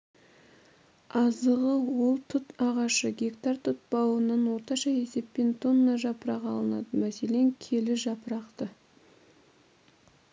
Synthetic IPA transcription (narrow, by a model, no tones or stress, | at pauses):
ɑzəʁəwo̞lˠt̪ʰʊt̪ɑʁɑʃəɡʲekt̪ɑrt̪ʰʊt̪̚bɑwənɑnwo̞ɾt̪ɑʃɑje̞se̞pːe̞nt̪ʰonːɑʒɑpəɾɑqɑlˠənɑ̰d̪əmæse̞le̞ŋkʲʰe̞lɪʒɑpəɾɑqt̪ə